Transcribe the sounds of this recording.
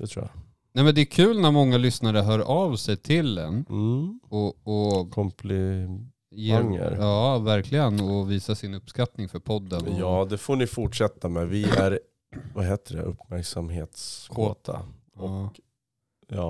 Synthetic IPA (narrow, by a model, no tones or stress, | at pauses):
d̪̥ɛt̪ʰɾṵːja̰ | nɛjmɛnd̪ɛːkʰʉ̟ːlnæɾmɔŋːalʏsnaɾəɦœːɾavsɛjt̪ʰɪld̪ɛ̰n | ɔɔkʰɔmplɪ | ɛŋːə̰ɾjɑːvæɾkʰlɪɡənɔviːsasɪnɵpːskat̪nɪŋfœɾpʰɔd̪ːənjɑːd̪ɛfoːnɪfʊʈʂɛt̪ʰːamɛvɪæɾ | vaɦeːt̪əɖɛ̰ʔɵ̰pːmæɾksamɦeːt̪skʰoːt̪ʰa̰ | ɔ | jɑː